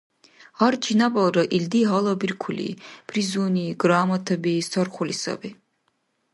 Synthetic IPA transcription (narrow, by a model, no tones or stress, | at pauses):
haɾd͡ʒʰinabalˠɾaʔild̪iɦalˠabiɾkʰulḭb̥ɾizuːniɡɾaːmat̪ʰɛbist̪ʰɔɾχulisa̰bi